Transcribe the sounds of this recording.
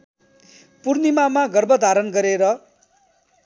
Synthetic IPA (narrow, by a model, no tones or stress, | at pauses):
purnimamaɡʌrbʌd̪ʱaɾʌnɡʌɾeɾʌ